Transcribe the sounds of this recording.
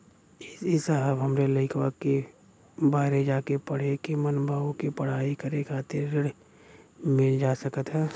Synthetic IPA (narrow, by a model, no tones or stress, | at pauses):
ɪɪsəɦəbɦəmɾeləɪkʰwake | baːɦɾed͡ʒaːkepəɽ̤ekimənbʱaːʋõkipəɽ̤aːikəɾekʰaːt̪ʰɪɾːɪɽ | mɪld͡ʒaːsəkət̪ɦɛː